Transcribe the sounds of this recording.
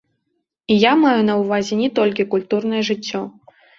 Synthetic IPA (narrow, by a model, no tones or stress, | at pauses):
ijamajunɐwvazʲɛnʲɛt̪ɔlʲk̬ʲikulʲt̪urn̪ɐjɛʐɨt͡sʲːɔ